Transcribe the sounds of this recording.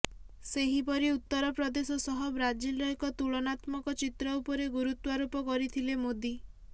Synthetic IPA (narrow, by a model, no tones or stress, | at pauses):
seɦip̬ɔɾiut̪ːɔɾɔpɾɔd̪esɔsɔɦɔbɾad͡ʒilɾɔjkɔt̪uɭɔnat̪mɔkɔt͡ʃit̪ɾɔupɔɾeɡuɾut̪waɾupɔkɔɾit̪ʰilemod̪i